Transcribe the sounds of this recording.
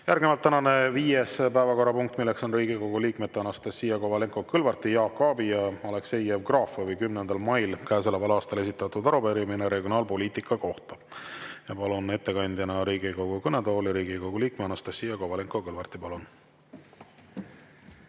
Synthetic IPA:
jærɡmevɑlt̪ːænɑne̞viːjespæevɑko̞ɾɑpuŋk̚t̪ːˑmilːekso̞nriːɡiko̞ɡ̥uliːkme̞t̪ːeɑnɑst̪ɑsːiːjɑko̞vɑleŋko̞kɤlvɑrt̪ijɑːkːɑːbijɑɑlekse̞jːevkrɑːfɑvɯjkymnend̪̥ɑlmɑjlkæes̬elevɑlɑːst̪ɑle̞s̬ʲit̪ːˑɑt̪ːud̪ɑɾupeɾimineɾe̞ɡio̞nɑːlpo̞liːt̪ikːˑɑko̞ht̪ɑjɑpɑlune̞t̪ːe̞kɑnʲd̪̥jɑnɑɾiːɡiko̞ɡ̥ukɤned̪oːliɾiːɡikoɡ̥uliːk̚meɑnɑst̪ɑsːiːjɑko̞vɑleŋkˑokɤlvɑrt̪ipɑlun

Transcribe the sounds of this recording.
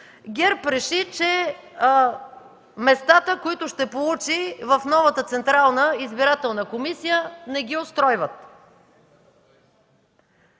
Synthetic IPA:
ɡʲɛɾpɾɛʃit͡ʃɛ | mɛst̪at̪əkoit̪ʊʃt̪ɛpolˠut͡ʃivəfnɔvət̪ət̪sɛnt̪ɾalˠnəizbiɾat̪ɛlˠnəkomisijənɛɡiost̪ɾɔjvət̪

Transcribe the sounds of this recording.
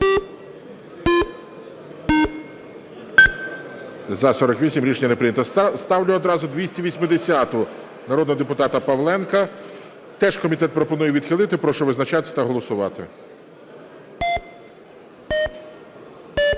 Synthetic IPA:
zɐsɔɾɔkʋʲisʲimɾʲiʃeɲʲɐnepɾɪnʲɐt̪ɐst̪ɑwlʲʊɔd̪ɾɑzʊd̪ʋʲisʲtʲiʋʲisʲmɪd̪esʲat̪ʊ | nɐɾɔd̪nɔɦɔd̪epʊt̪ɑt̪ɐpɐʋlˠɛnkɐ | t̪ɛʃkɔmʲit̪ɛt̪̚pɾɔpɔnujɛʋʲid̪xɪlˠɪt̪ɪpɾɔʃɔʋɪznɐt͡ʃɑt̪ɪ̥t̪ɐɦɔlˠɔsʊʋɑ̰t̪ɪ̰

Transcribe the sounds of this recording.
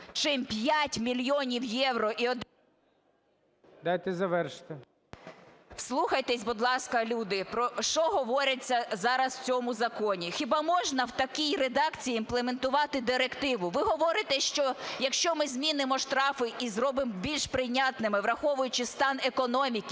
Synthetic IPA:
t͡ʃɪmpʲjatʲmʲilʲjɔnʲiwjɛwɾɔʔiɔd̪ | d̪ajt̪ɛzɐʋɛrʃt̪ɪ | wslˠuxɐjt̪ɛsʲbʊd̪lˠɑskɐlʲud̪ɪpɾɔʃt͡ʃɔɦɔʋɔɾʲɐt͡sʲːɐzɑɾɐsw̥t͡sʲɔmʊzɐkɔnʲixʲibɑmɔʒnɐwt̪ɐkʲijred̪ɑkt͡sʲijiːnplˠement̪ʊʋɑt̪ɪd̪ɪɾekt̪ɪʋʊʋɪɦɔʋɔɾɪt̪ɛʃt͡ʃɔjɐkʃt͡ʃɔmɪzʲmʲinɪmɔʃt̪ɾɑfɪʔizrɔbɪmbʲilʲʃpɾɪnʲat̪nɪmɪʋɾɐxɔʋʊjʊt͡ʃɪst̪ɑnekɔnɔmʲikʲ

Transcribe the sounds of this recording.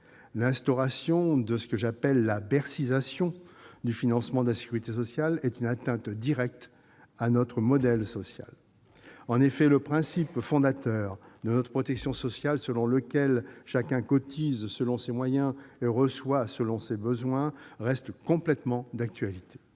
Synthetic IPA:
lɛ̃st̪ɔʁasjɔ̃d̪əsə̥kəʒapɛlːabɛʁsizasjɔ̃d̪yfinɑ̃smɑ̃d̪əlase̥kʲyʁit̪esɔsjalɛt̪ynat̪ɛ̃t̪d̪iʁɛk̚t̪ | anɔt̪χəmɔd̪ɛlsɔsja̰l | ɑ̃nefɛləpχɛ̃sipfɔ̃d̪at̪œʁd̪ənɔt̪χəpχɔt̪ɛksjɔ̃sɔsjalsəlɔ̃ləkʲɛlʃakʲɛ̃kɔt̪ʰizsəlɔ̃semwajɛ̃eʁəswasəlɔ̃sebəzwɛ̃ʁɛst̪kɔ̃plɛt̪mɑ̃d̪ak̚t̪ɥalit̪e̥

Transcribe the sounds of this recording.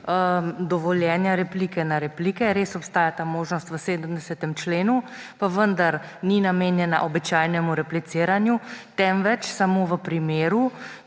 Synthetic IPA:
əd̪ɔʋɔljɛːnjaɾɛpliːkɛnaɾɛplikɛɾeːsɔpst̪aːjat̪aːmoːʒnɔst̪ʋəseːd̪əmd̪ɛsɛt̪ɛmt͡ʃleːnu | paʋənd̪aɾ | ninameːnjɛna̰ʔɔbit͡ʃaːjnɛmuɾɛplisiːɾanjut̪ɛmʋɛt͡ʃsamoːʋəpɾimeːɾu

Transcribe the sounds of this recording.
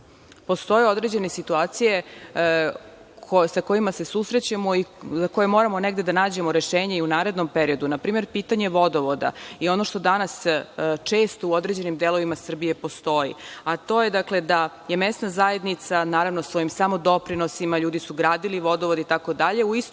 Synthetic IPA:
po̞st̪o̞jeod̪ɾe̞d͡ʑe̞nesit̪uaːt̪sije̞ | kʰosako̞imase̞susɾe̞t͡ɕamoizakojemo̞ɾamo̞neɡd̪e̞d̪anaːd͡ʑe̞moɾe̞ʃeːɲeiunaːɾe̞d̪no̞mpeɾio̞d̪unapɾiːme̞ɾpiːt̪aɲe̞ʋo̞d̪o̞ʋod̪a̰io̞no̞ʃt̪o̞d̪anast͡ʂe̞ːst̪ouod̪ɾed͡ʑe̞nimd̪elˠo̞ʋimasr̩bije̞po̞st̪o̞jḭat̪o̞jed̪akle̞d̪a | jemesnazaje̞d̪nit̪sanaːɾaʋnosʋo̞jimsamo̞d̪o̞pɾino̞simaʎuːd̪isuɡɾaːd̪iliʋo̞d̪oʋod̪it̪ako̞d̪aʎe̞uist̪

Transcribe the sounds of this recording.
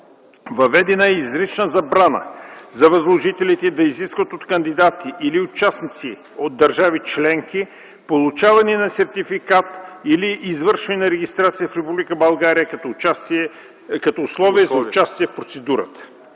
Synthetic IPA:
vɐvɛd̪ɛnəɛizɾit͡ʃnəzɐbɾanə̰zɐvɐzlˠoʒit̪ɛlit̪ɛd̪ɐiziskvɐt̪ot̪kɐnd̪id̪at̪iʔːliʊt͡ʃasnit̪si | od̪̚d̪ɐɾʒavit͡ʃlɛŋki | polˠut͡ʃavɐniɛnɐsɛɾt̪ifikat̪iliʔːzvəɾʃvɐninɐɾɛɡist̪ɾat̪sijəfɾɛpublikəbɐlˠɡaɾijəkt̪ | kɐt̪ɔʊslˠɔviɛzɐʊt͡ʃast̪iɛfpɾot̪sɛd̪uɾə̰t̪ə̥

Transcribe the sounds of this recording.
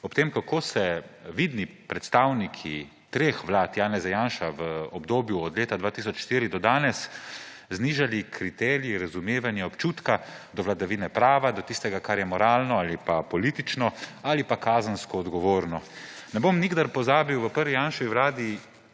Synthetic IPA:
ɔpt̪eːmkakoːsɛʋid̪nipɾɛt̪st̪aːwnikʰi | t̪ɾeːxʋlaːt̪jaːnɛzajaːnʃaʋəɔbd̪oːbjuɔd̪leːt̪ad̪ʋaːt̪is̬ɔt͡ʃʃt̪iːɾid̪ɔd̪aːnɛs | zniʒalikʰɾit̪ɛːɾiiɾazumeːʋanjɛɔpt͡ʃuːt̪kad̪ɔʋlad̪aʋiːnɛpɾaːʋad̪ɔt̪ist̪ɛɡakaɾjɛmɔɾaːlnɔalipapɔliːt̪it͡ʃnɔalipakaːzənskɔːd̪ɡɔʋoːɾnɔnɛbomniɡd̪aɾpɔzaːbiwʋəpəɾʋijaːnʃʋiwlaːd̪i

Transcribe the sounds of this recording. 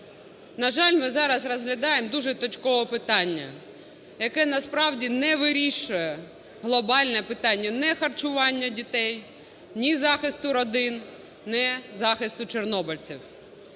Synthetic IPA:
nɐʒɑlʲmɪzɑɾɐsrɔzɦlʲɐd̪ɑjemd̪uʒɛt̪ɔt͡ʃkɔʋɔpɪt̪ɑnʲːɐ̰ | jɐkɛnɐspɾɑwdʲinɛʋɪɾʲiʃʊjɛ | ɦlˠɔbɑlʲnɛpɪt̪ɑnʲːɐnɛxɐrt͡ʃʊʋɑnʲːɐdʲit̪ɛj | nʲizɑxɪst̪ʊɾɔd̪ɪn | nɛzɑxɪst̪ʊt͡ʃernɔbɪlʲt͡sʲiw

